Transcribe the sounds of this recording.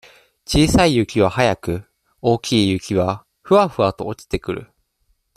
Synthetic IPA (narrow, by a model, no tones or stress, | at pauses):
t͡ɕiːsaijɯ̟kʲiβ̞ahajakɯ̟ | o̞ːkʲiːjɯ̟kʲiβ̞a | ɸɯ̟aɸɯ̟at̪o̞̰ot͡ɕi̥t̪e̞kɯ̟ɾɯ̟̰